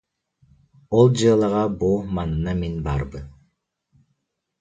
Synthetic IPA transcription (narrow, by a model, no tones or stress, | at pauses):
olˠd͡ʒɯlˠɑʁɑboːmɑnɯnɑmenbɑɾbɯ